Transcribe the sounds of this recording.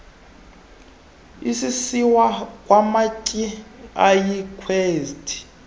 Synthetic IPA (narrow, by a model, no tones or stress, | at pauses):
isisiwakʼwamacʼiajikʰweːstʰʼi̥